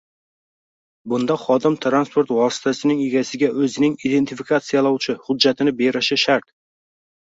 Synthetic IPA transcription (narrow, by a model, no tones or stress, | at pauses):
bʊnd̪aχɒd̪ɪmt̪ʰɾanspʰo̞ɾt̪vɒsɪ̥t̪ʰasɪnɪŋeɡʲasɪɡʲaʔɵzɪnɪŋid̪e̞nt̪ʰɪfikʰat̪sɨijalˠawt͡ʃʰɪhʊd͡ʒːat̪ʰɪnɪbe̞ɾɪʃɪʃaɾt̪̚